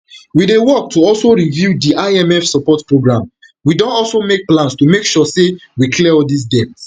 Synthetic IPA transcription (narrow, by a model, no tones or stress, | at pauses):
widewɔk̚tʰuɔlsoɹivjudiʔaɪɛ̃mɛfsɔpɔtpɹoɡɹãm | widõntɔlsomek̚plãnstumekʃɔsewikʰlɛɔdis̬dɛp̚t